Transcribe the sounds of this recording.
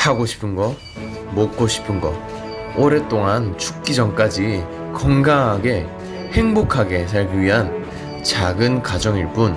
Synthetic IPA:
tʰaɡoɕʰi̥pʰɯnɡʌ | mok̚k͈oɕʰi̥pʰɯnɡʌ̰ | oɾet͈oŋant͡ɕʰu̥k̚k͈id͡ʑʌŋk͈ad͡ʑi | kʌŋɡaŋaɡe̞ | he̞ŋbokʰaɡe̞s̬ʰaɭɡiɥiɦan | t͡ɕaɡɯnkad͡ʑʌŋiɭp͈un

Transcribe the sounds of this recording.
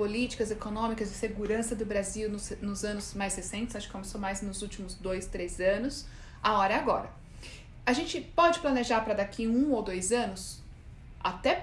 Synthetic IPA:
polit͡ʃi̥kɐzekonõmikɐzd͡ʒɪseɡuɾɐ̃sɐd̪ʊbɾaziwnʊsnʊzɐ̃nʊz̥majshesẽñt͡ʃɪszaʃʊkɪkomesomajznʊzut͡ʃimʊzd̪ojst̪ɾezɐ̃nʊs | aɔɾɐaɡɔɾɐ | aʒẽnt͡ʃɪpɔd͡ʒɪplɐneʒaɾpɾɐd̪akʰiũowd̪ojzɐ̃nʊs | a̰t̪ɛ

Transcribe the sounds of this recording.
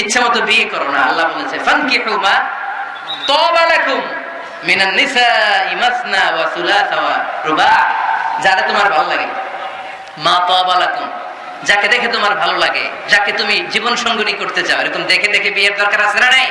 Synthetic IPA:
itːʃʰamɔt̪obikɔɾona̰ɐlːabolet͡ʃʰefɐnkiħuma | t̪ɔːbalakumː | inɐnːisaːʔimɐsnawaθulaːθawaɾubaħd͡ʒaɾet̪omaɾbʱalolaɡḛ | at̪ɔːbalakum | d͡ʑaked̪ekʰet̪̬omaɾbʱalolaɡḛ | d͡ʑaket̪umid͡ʑibonʃɔŋɡonikoɾt̪et͡ɕaoeɾekumd̪ɛkʰed̪ekʰebieɾd̪ɔɾkaɾasenanaj

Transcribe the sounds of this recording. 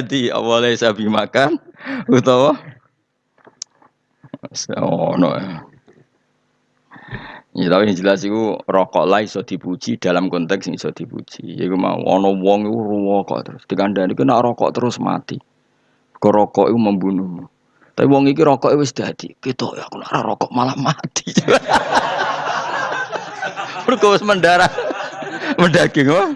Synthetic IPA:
d̪iɔ̰wɔlɛisab̥i̤makanut̪ɔwɔ | snɔ̰jɔ | ɛt̪apiŋd͡ʒəlasikurɔkɔ̰ʔlaisɔd̪̥i̤pu̥t͡ʃid̪̥a̤lamkɔnt̪ɛkssɔd̪̥i̤pṵt͡ʃḭḭkuma̰ṵʔɔ̰nɔwɔŋikuruwɔkɔ̰ʔt̪əɾʊsd̪̥i̤kanɳɖanikunaʔɾɔkɔ̰ʔt̪əɾʊsma̰t̪i | kɔɾɔkɔ̰ʔikuməmbunuhmu | t̪apiwɔŋik̬iɾɔkɔʔiwɪs̬d̪̥a̤d̪̥ḭkit̪ɔ̰ʔjɔ̰kuna̰ɾa̰ɾɔ̰kɔʔmalahmat̪i̥t͡ʃuwa | ɾukɔwɪsmənɖaɾa | mənɖaɡ̥ɪŋwa

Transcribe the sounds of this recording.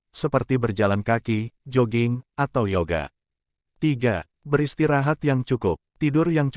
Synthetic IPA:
səpərt̪ibərd͡ʒalankakid͡ʒoɡɪŋat̪awjoɡa̰ | t̪iɡa | bəɾist̪iɾaɦat̪jaŋt͡ʃukʊp̚t̪idʊrjaŋt͡ʃ

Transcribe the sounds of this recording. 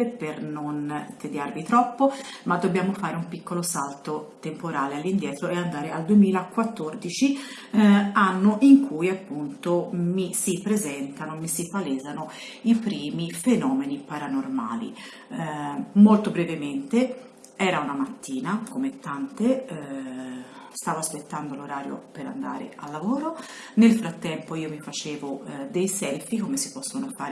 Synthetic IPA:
epernont̪ed̪jarvit̪ɾɔpːomad̪ːobjaːmofaːɾeumpikːolosalt̪ot̪empoɾaːlealːind̪jɛːt̪ɾoeand̪aːɾeald̪uemiːlakːwat̪ːord̪it͡ʃi | anːoʔiŋkʰujapːunt̪omisipɾezɛnt̪anomisipalɛːzano | ipɾiːmifenɔːmenipaɾanorma̰ːlḭ | molt̪obɾɛvement̪e | ɛːɾaunamat̪ːiːnakomet̪ːant̪e | st̪aːvoaspet̪ːand̪oloɾaːɾjo̰peɾa̰nd̪a̰ːɾḛalːavoːɾo | nelfɾat̪ːɛmpoiːomifat͡ʃeːvod̪ejsɛlfikomesipɔsːonofaːɾ

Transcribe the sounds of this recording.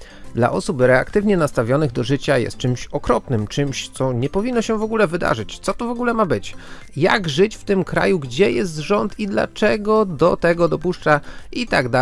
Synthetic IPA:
d̪la̰ʔɔsupɾɛa̰kt̪ɘvɲɛnast̪avʲjɔnɘɣd̪ɔʐɘt͡ɕajɛ̰st̪̚t͡ʂɘmɕɔkɾɔpnɘmt͡ʂɘmɕt̪sɔɲɛpɔvʲinːɔɕɛvɔɡulɛvɘd̪a̰ʐɘt͡ɕt̪sɔt̪ɔvɔɡulɛmabɘt͡ɕ | ja̰ɡʐɘt͡ɕft̪ɘmkɾa̰juɡd͡ʑɛjɛst̪ʐɔnt̪ʰid̪la̰t͡ʂɛɡɔd̪ɔt̪ɛɡɔd̪ɔpuʂt͡ʂait̪aɡd̪a

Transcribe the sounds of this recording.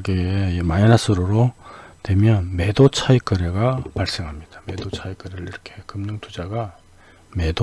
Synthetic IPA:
ɡemajanas͈ʰɯɾoɾotwe̞mjʌnme̞dot͡ɕʰaik͈ɯɾeɡapaɭs͈eŋɦamɲid̥ḁme̞dot͡ɕʰaik͈ɯɾeɾɾiɾʌkʰe̞kɯmɲʌŋtʰud͡ʑaɡa | me̞do

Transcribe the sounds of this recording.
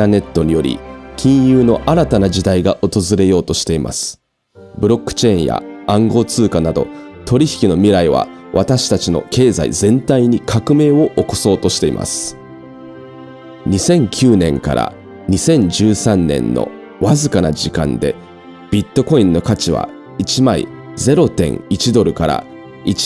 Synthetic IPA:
ane̞t̪ːo̞ɲ̟ijo̞ɾʲḭkʲĩɰ̃jɯːno̞ʔaɾat̪anad͡ʑid̪aiɡaʔo̞t̪o̞zɨɾe̞jo̞ːt̪o̞ɕi̥t̪e̞imʔa̰sɨ̥ | bɯ̟ɾo̞kːɯ̟̥t͡ɕe̞ĩɰ̃ja̰ãŋɡo̞ːt͡sɨːkanad̪o̞̰t̪o̞ɾʲiçi̥kʲino̞mʲiɾaiβ̞a̰ | βat̪aɕi̥t̪at͡ɕino̞̰ke̞ːza̰ḭzẽ̞nt̪aiɲ̟ikʰakɯ̟me̞ːo̞ʔoko̞̥so̞ːt̪o̞ɕi̥t̪e̞ḭma̰sɨ̥ | ɲ̟isẽ̞ŋkʲʰɨːnẽ̞ŋka̰ɾʔa̰ | ɲ̟isẽ̞ɲ̟d͡ʑɨːsãnːẽ̞̰nːo̰ | βazɨkana̰d͡ʑikã̰nd̪e̞̰ | b̥ʲit̪ːo̞ko̞ĩnːo̞kat͡ɕiβa̰ | it͡ɕimaḭ | ze̞ɾo̞t̪ẽ̞̰ŋit͡ɕid̪o̞ɾɯ̟kaɾa̰ | i

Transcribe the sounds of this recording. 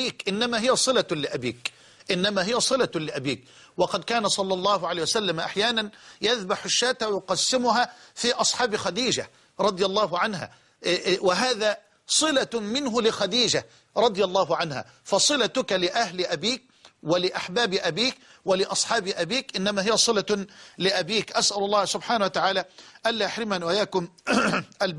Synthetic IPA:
iːkʔɪnːamaːɦɪjasˤɨlalɪʔabiːk | ʔɪnːamaːɦɪjasˤɨlalɪʔabiːk | wɑqɑd̪kaːnasˤɑlːɑlˤːɑːɦʊʕalaːjwasalːamʔa̰ħjaːnanjaðbaħɪʃːaːt̪awjʊqɑsːɪmʊɦafiʔɑsˤħɑːbxad̪iːd͡ʒa̰ | ɾˤɑd̪ˤjɑlˤːɑːɦʊʕanɦa̰ː | wɪɦaːðaː | sˤɨlamɪnɦʊlɪxad̪iːd͡ʒa | ɾˤɑd̪ˤɨjalˤːɑːɦʊʕanha̰ | fɑsˤɨlat̪ʊkalɪʔahlɪʔabiːk̚wɪlɪʔaħbaːbɪʔabiːkwɪlɪʔɑsˤħɑːbɪʔabiːkʔɪnːæmaːhɪjasˤɨlalɪʔabiːkʔasʔalɑlˤːɑːhsʊbħaːnawat̪aʕaːlaʔalːajaħɾɪmanwajaːkʊmʔal

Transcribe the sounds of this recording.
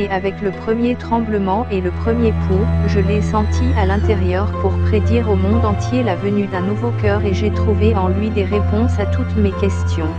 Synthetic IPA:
avɛkləpχəmjet̪χɑ̃bləmɑ̃ʔeləpχəmjekʰuʁʒəlesɑ̃t̪ʰialɛ̃t̪ɛʁjœʁpuʁpχed̪iʁomɔ̃d̪ɑ̃t̪jelavənyd̪ɛ̃nuvokœʁeʒet̪χuveɑ̃lɥid̪eʁepɔ̃sat̪ut̪mekʲɛst̪jɔ̃

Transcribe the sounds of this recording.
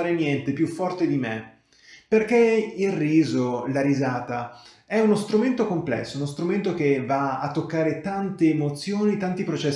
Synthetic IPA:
aːɾenjɛnt̪epjufːɔrt̪ed̪ime | perkeilrːiːzolaɾizaːt̪a | ɛunost̪ɾument̪okomplɛ̰sːounost̪ɾument̪ok̟evaaːt̪ːokːaːɾet̪ant̪eːmot̪sːjoːnit̪ant̪ipɾot͡ʃɛs

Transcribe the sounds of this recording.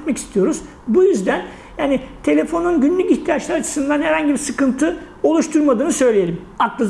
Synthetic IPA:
t̪maci̥st̪ʰijo̞ɾuz̥ | bujyzd̪æn | jaːnit̪ʰe̞lʲe̞fo̞nunɟynlʲyciçt̪ʰijat͡ʃlˠaɾat͡ʃʰɯ̥sɯnd̪anhæɾhaɲɟibisɯkɯnt̪ʰɯ | o̞lˠuʃt̪ʰuɾmad̪ɯːnɯsø̞jlʲejelʲim | aklˠɯz

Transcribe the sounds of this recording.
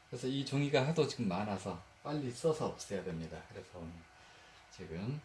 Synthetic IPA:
kɯɾe̞sʰʌit͡ɕoŋiɡaɦadot͡ɕiɡɯmːanasʰʌ | p͈aʎːis͈ʌsʰʌʌp̚s͈ʌjadwemɲidakɯɾe̞sʰʌn | t͡ɕiɡɯm

